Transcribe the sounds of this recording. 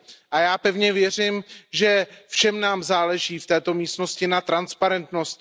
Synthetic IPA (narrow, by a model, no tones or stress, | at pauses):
ʔajaːpɛvɲɛvjɛr̝ɪmʒɛfʃɛmnaːmzaːlɛʒiːft̪ɛːt̪o̞miːst̪no̞scɪnat̪ɾanspaɾɛnt̪no̞st̪